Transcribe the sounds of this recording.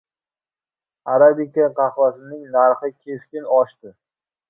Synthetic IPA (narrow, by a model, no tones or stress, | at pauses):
aɾabikʲːaqʰɑχvasɪnɪŋnaɾχɪkʲʰeskʲɪnɒʃt̪ɪ